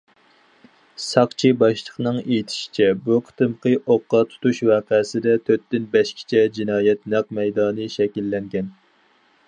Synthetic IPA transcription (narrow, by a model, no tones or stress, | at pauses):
sɑqt͡ʃʰibɑʃlˠəχnɨŋejt̪ʰɪ̥ʃi̥t͡ʃʰɛbuqʰt̪ʰɨmqʰəʔoqːɑt̪ʰu̥t̪ʰuʃwæːqʰɛsɪd̪ɛt̪ʰøt̪ːynbɛʃkʲʰɪ̥t͡ʃʰɛd͡ʒinɑːjɛt̪nɛqmɛjd̪ɑːnɨʃɛkʲilːɛŋɡʲɛn